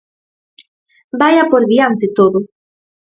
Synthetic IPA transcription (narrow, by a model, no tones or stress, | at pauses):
bajapoɾðiant̪ɪt̪oðʊ